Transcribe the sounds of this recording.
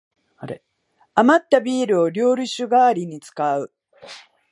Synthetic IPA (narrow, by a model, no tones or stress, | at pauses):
aɾe | amat̪ːabʲiːɾɯ̟o̞ɾʲo̞ːɾʲɯ̟ɕɨɡaːɾʲiɲ̟it͡sɨ̥kaɯ̟